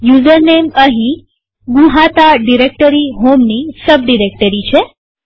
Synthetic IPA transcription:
juzəɾneməɦĩ | ɡũɦat̪aɖiɾek̚ʈəɾiɦomnisəb̚ɖiɾek̚ʈəɾit͡ʃʰe

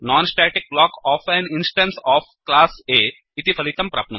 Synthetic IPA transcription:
naːnsʈaːʈik̚blaːkɔːfʰɛninsʈɐnsaːpʰklaːseː | it̪ipʰɐlit̪ɐmpɾa̰ːpnɐm

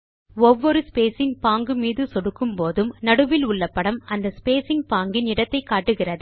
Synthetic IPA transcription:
ɔʋːɔɾɯspeːsɪŋɡpaːŋɡɯmiːðɯsɔɽɯkːɯmpoːðɯmnɐɽɯʋɪlʊɭːɐpːɐɽɐmɐnd̪ɐspeːsɪŋ̚paːŋɡɪnɪɽɐt̪ːɐɪkːaːʈːɯɣɪrɐðɯ

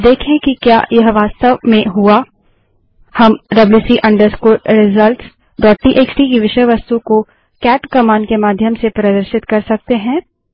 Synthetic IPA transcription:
d̪eːkʰẽkikja̰ːjɐɦʋaːst̪əʋmẽɦua | hɐmɖɐblusiʔɐ̃ɳɖəɾskoːɾɪzəlʈs | ɖɔːʈ̚ʈiːʔeːt͡ʃʈikiʋɪʃəjʋɐst̪uko | kɛːʈkɐmaːnkemaːd̪ʱjəmsepɾɐd̪əɾʃɪt̪kɐɾsɐk̚t̪eɦɛ̃ː

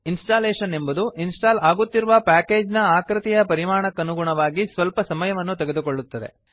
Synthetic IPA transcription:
insʈaːleːʃɐne̞mbud̪uʔinsʈaːlaːɡut̪ːiɾuʋɐpaːke̞ːd͡ʒnɐaːkɾɨt̪ijɐpɐɾimaːɳɐkːɐnuɡuɳɐʋaːɡisʋɐlpɐsɐmɐjɐʋɐnːut̪ɛɡed̪ukoɭːut̪ːɐd̪e̞̰

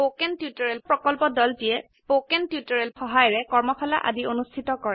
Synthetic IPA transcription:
pokɛntjutɔɹɛlpɹɔkɔlpɔdɔltijɛ | pokɛntjutɔɹɛlxɔɦajɹɛkɔɹmɔxʰɔla̰ʔa̰dionustʰitɔkɔɹɛ

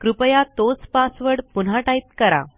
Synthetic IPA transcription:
kɾupəjat̪ot͡spasʋəɽpunɦaʈait̪̚kəɾa̰

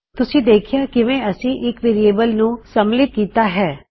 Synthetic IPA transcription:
t̪ʊsĩd̪eːkʰijakiʋɛ̃ɐsĩʔɪːkʋeːɾijeːbəlnũsɐmlɪt̪̚kiːt̪aɦɛː

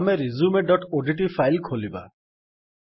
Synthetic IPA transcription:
meɾizumeɖɔʈoɖiʈ̬ipʰajlkʰoliba̰

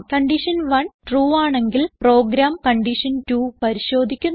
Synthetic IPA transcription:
kɐɳɖiʂɐnʋɐnʈruːaːɳe̞ŋɡilpro̞ːɡɾaːmkɐɳɖiʂɐntuːpɐɾiɕo̞ːd̪ʱikʲːun

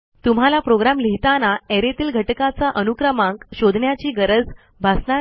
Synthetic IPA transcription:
t̪um̤alapɾoɡɾamliɦit̪anaeɾet̪iːlɡʱəʈkat͡saʔənukɾəmãŋkɕod̪ʱɳjat͡ɕiːɡəɾəd͡z | bʱasna

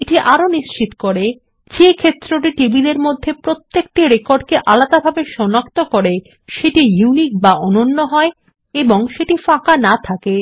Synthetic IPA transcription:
eʈiʔaɾoniʃt͡ɕit̪o̥koɾe | d͡ʑekʰet̪ːɾoʈiʈibid̪eɾmod̪ʱːepɾot̪ːek̚ʈiɾekoɾɖkeʔalad̪abʱabeʃɔnakt̪okoɾe | ʃeʈijunik̚baɔnonːoɦɔe | eboŋʃeʈifakanat̪ʰake

